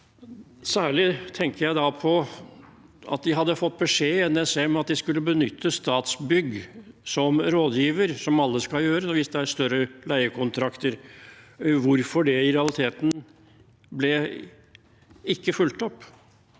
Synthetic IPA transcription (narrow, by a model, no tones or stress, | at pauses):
sæːɭɪt̪ʰɛŋkəɾjæɪd̪ɑpʰɔ | ɑ̰t̪d̪ɪɦɑd̪ːəfɔt̪ːbəʂeːɛnːɛsɛmɛɑt̪̚d̪ɪskʉlːəbənʏt̪ʰːəst̪ɑːt̪sbʏɡ | sɔmɾoːd̪jiːʋəɾsɔmɑlːəskɑljøːɾəɔʋɪsd̪ɛæɾst̪œɾəlæɪəkʰʊnt̪ʰɾɑkt̪əɾ | ʋʊɾfɔɖɛɪɾɛɑlɪt̪ʰeːt̪n̩ | blɛ | ɪkːəfʉlt̪ɔpː